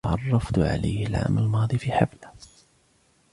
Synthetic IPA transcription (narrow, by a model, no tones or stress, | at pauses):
ʕɑrˤːɑft̪ʕa̰la̰jhɪlʕa̰ːmællmɑːðˤifiħabla